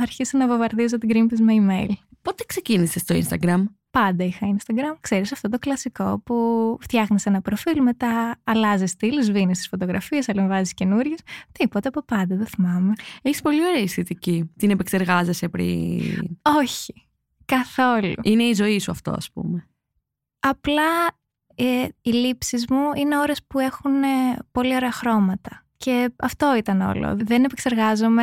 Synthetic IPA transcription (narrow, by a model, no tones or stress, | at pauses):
ɐɾçist̪enɐvovɐɾðizot̪iɡɾimpizmeimejlpo̞t̪ekse̞cinisest̪oḭnst̪ɐɡɾɐm | pɐnd̪ɐixɐinst̪ɐɡɾɐmkseɾisɐft̪o̞t̪o̞klɐsiko̞puft̪çɐɣnesenɐpɾofilme̞t̪ɐːlɐzist̪ilzvinist̪i̥sfo̞t̪oɣɾɐfiesɐleɱvɐzisce̞nuɾʝest̪ipo̞t̪ɐɐpo̞pɐnd̪ɐðeθimɐmeeçi̥spo̞lio̞ɾeːisθet̪icit̪inepekseɾɣɐzesepɾḭ | oçi̥ | kɐθo̞luine̞izo̞isuɐ̰ft̪o̞̰ɐ̰spṵme | ɐplɐ | ilipsizmuine̞o̞ɾe̞spue̞xunpo̞lio̞ɾeɐxɾo̞mɐt̪ɐ | ce̞ɐft̪o̞it̪ɐno̞̰lo̰ðene̞pekse̞ɾɣɐzome